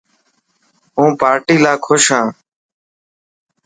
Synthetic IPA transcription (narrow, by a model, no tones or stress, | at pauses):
ɦũːpaːɾʈiːlaːkʰʊʃɦãː